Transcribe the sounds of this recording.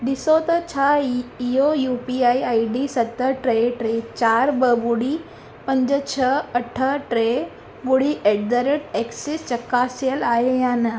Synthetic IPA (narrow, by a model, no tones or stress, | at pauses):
ɖ̪isot̪ɐt͡ɕʰaiojupiaiaiɖisɐt̪ːəʈɾeʈɾet͡ɕaɾbəbuɽi | pə̃ɲd͡ʑət͡ɕʰəəʈʰəʈɾe | ɡuɽiʔeʈ̚d̪əɾəʈeksist͡ɕəkːasjəlaɦejana